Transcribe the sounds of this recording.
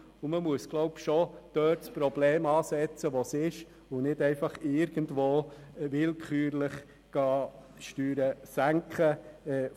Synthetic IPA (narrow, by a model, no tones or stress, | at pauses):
ʊməmuəsɡ̥lɔʊpʃod̥œːtspɾɔbleːmɑːsɛt͡səʋosɪʃ | ʊnɪdɛɪfɑχɪːɾɡ̥əntʋoːvɪlkʰχyːɾlɪχ | ɡ̥ɑː | ʃtyːɾəsæŋkχəɛː